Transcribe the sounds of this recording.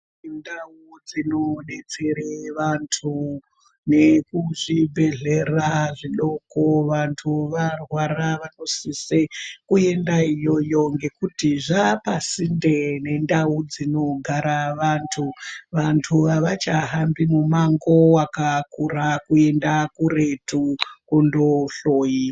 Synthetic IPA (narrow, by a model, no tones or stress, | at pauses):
ndaud͡zinone̞t͡sereʋantʰu | ne̞kuʐibʱe̞ɮe̞raʐiɗo̞koʋantʰuʋarwaɾaʋano̞sisekue̞ndaijo̞jo̞ŋɡe̞kutiʐapasindene̞ndaud͡zino̞ɡʱaɾaʋantʰuʋantʰuʋaʋat͡ʃaɦambimumaŋɡo̞wakakurakue̞ndakure̞tukundo̞ɬoːji